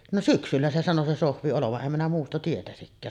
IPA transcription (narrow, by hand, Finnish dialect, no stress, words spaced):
no syksylːæ se sɑno se sohʋi oloʋɑʔ ʔem minæ muːstɑ tietæsikːæː